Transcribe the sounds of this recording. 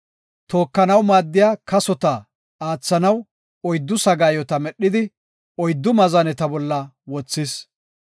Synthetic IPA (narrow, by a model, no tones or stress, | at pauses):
t̪o̞ːkːɐnɐwmaːd̪ːɪjaːkɐsɔt̪ɐ | aːt͡sːɐnɐw | ɔjd̪ːʊsɐɡaːjɔt̪ɐmɛɗːɪd̪ɪ | ɔjd̪ːʊmɐzɐnɛt̪ɐbɔlːɐ | wɔt͡sːɪs